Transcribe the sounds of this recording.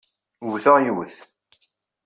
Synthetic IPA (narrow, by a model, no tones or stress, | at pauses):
wθəʁjwəθ